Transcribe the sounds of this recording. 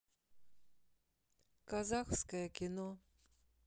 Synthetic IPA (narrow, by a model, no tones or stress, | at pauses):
kazaxskɐjəkʲinɔ